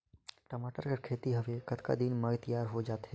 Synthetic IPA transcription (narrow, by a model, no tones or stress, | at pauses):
ʈəmaːʈəɾkeɾkʰeːt̪iɦəʋekət̪ka̰d̪inmət̪əjaːɾɦod͡ʒaːt̪ɦɛ